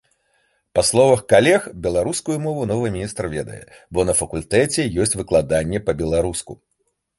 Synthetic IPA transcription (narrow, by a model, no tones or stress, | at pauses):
paslˠɔvɐxkalʲɛxbʲɛlˠaɾuskujumɔvunɔvɨmʲinʲist̪rvʲɛd̪ɐ̰jɛ̰ | bɔnɐfɐkulʲt̪ɛt͡sʲɛjɔsʲt͡sʲvɨklˠad̪anʲːɛpɐbʲɛlˠaɾuskṵ